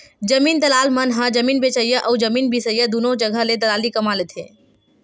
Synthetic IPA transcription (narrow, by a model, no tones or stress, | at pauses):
d͡ʒəmiːnd̪əlalmənɦə̃d͡ʒəmiːnbet͡ʃəjəʔəwd͡ʒəmiːnbʱisəjəd̪unod͡ʒəɡʱəled̪əlalikəmalet̪ʰḛ